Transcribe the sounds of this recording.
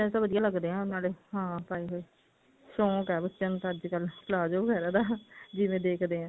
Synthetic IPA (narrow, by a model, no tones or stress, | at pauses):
ɛ̃ːt̪aːʋəd̪ijaːləɡd̪eːãːnaːleːɦãːpaːiːɦo | ʃõːkɛːbətːʃənt̪ːəd͡ʒkəlpʰlaːd͡ʒoːbəɡɛːɾaːd̪aːd͡ʒɪʋẽːd̪eːkʰd̪eːãː